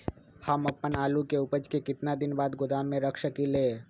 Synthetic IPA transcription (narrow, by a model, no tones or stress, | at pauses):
hɐmɐpənaːlukeʊpəd͡ʒkekɪt̪nad̪ɪnbaːd̪ɡʊd̪aːmːẽɾəkʰʃəkileː